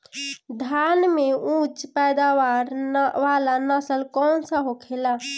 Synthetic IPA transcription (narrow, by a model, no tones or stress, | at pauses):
d̪ʱanmeũt͡ʃpɛjd̪aʋaɾʋalanasəlkɔnsəɦokʰela